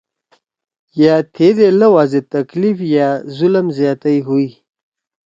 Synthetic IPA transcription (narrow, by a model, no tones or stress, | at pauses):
jat̪ʰed̪eləwazet̪aklifjazʊləmzjɑːt̪ajɦui